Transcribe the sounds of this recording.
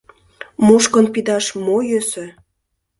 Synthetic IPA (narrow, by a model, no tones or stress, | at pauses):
muʃkə̆npid̪ɑʃmojøsø̆